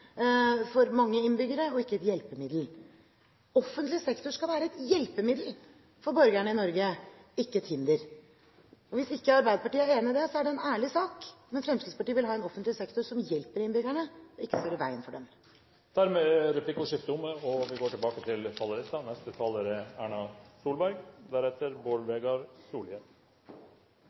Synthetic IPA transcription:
fɔɾmɑŋːəɪnbʏɡəɾəɔɪkːəɛt̪jɛlpəmɪd̪l̩ | ɔfːənt̪lɪsɛkt̪ʊʂkɑlʋæːɾəɛt̪jɛlpəmɪd̪l̩ | fɔɾbœɾɡæɳəɪnɔɾɡəɪkːət̪ʰɪnd̪əɾ | ɔʋɪsɪkːəɑɾbæɪd̪əpɑʈiːəeːnəd̪ɛsɔæɖɛɛnæːɭɪsɑːkmɛnfɾɛmst̪yd̪spɑʈiːʋɪlɦɑːɛnɔfənt̪lɪsɛkt̪ʊɾʂɔmjɛlpəɾɪnbʏɡæɳəɔɪkːə̥søːɾəʋæɪənfɔɖɛm | d̪̥æɾmeːɾɛpʰlɪkːʊʂɪft̪əʊmːəɔʋɪɡoːʈɪlbɑːkət̪ʰɪlfɑlːəɾɛt̪ːɑnɛst̪ət̪ʰɑːləɾæːɳɑsuːlbæɾɡd̪æɾhɛt̪əɾboːɾʋeːɡɑɾsuːlən

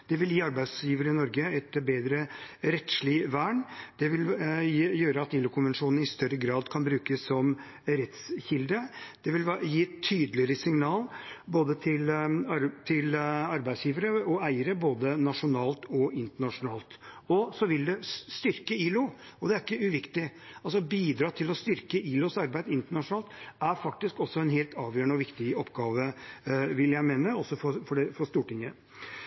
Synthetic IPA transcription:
d̪̥ɛʋɪljiːɑɾbæɪsjiːʋəɾəɪnɔɾɡəɛt̪beːd̪ɾəɾɛt̪ʂlɪʋæːɳd̪̥ɛʋɪljøːɾəɑt̪iːlʊkʰʊnʋɛnʂuːnn̩ɪst̪œɾəɡɾɑːd̪kʰɑnbɾʉːkəsːɔm | ɾɛt̪sçɪld̪əd̪̥ɛʋɪljiːt̪ʰːyːd̪əlɪəɾəsɪŋnɑːlboːd̪ət̪ʰɪl | t̪ʰɪlɑɾbæɪd̪sjiːʋəɾəɔæɪəɾəboːd̪ənɑʂʊnɑːlt̪ɔɪnt̪əɳɑʂʊnɑːlt̪ɔsɔʋɪld̪ɛst̪ʏɾkəiːlʊ | ɔd̪ɛæɾɪkːəʉʋɪkt̪ɪɑlsɔbiːd̪ɾɑːt̪ʰɪlɔst̪ʏɾkəiːlʊsɑɾbæɪd̪ɪnt̪əɳɑʂʊnɑːlt̪æɾfɑk̚t̪ɪskɔsːɔɛnɦeːlt̪ʰɑːʋjøːəɳəɔʋɪkt̪ɪɔpːɡɑːʋəʋɪljæɪmeːnəɔsɔfɔfɔɖɛfɔst̪uːʈɪŋːə

